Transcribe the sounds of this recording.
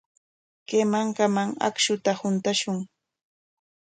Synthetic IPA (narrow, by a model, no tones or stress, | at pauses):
kemaŋkamaŋa̰kʃʊt̪ahʊnt̪aʃʊŋ